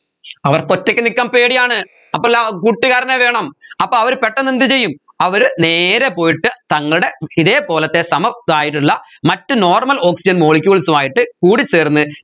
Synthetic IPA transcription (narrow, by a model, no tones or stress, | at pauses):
ɐʋɐrkotːɐkːɨnikʲːaːmpe̞ːɽijaːɳɨ | ɐpːolakuːʈːiɣaːɾɐneʋe̞ːɳɐmɐpːoːɐʋɐɾupeʈːɐnːind̪it͡ɕe̞jːum | ɐʋɐɾneːɾepo̞ːjiʈːɨt̪ɐŋːɐɭɨɽe̞iðe̞ːpo̞ːlɐt̪ːe̞sɐmɐðaːjiʈ̬ːuɭːɐmɐtːɨno̞ːrmɐlo̞ːksid͡ʑɐnmo̞ːɭikʲːuɐɭsumaːjiʈːɨkuːɽit͡ɕːeːrnːɨ